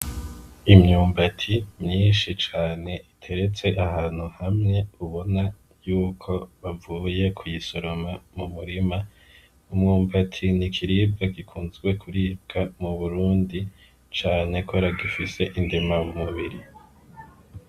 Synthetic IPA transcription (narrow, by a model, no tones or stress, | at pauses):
imɲuːmbatʰimɲiːnʃit͡ʃaːne̞ʔitʰe̞ɾe̞t͡se̞ʔahaːn̥huhamŋe̞uβo̞na | juːkʰo̞βavuːje̞kʰujiso̞ɾo̞mamumuɾima | umŋuːmbatʰinikʰiɾib̚ɡakikʰuːnzɡwe̞kʰuɾiːb̚ɡ̥amuβuɾuːndi | t͡ʃaːne̞kʰoɾaɡifise̞ʔindimamumuβiɾi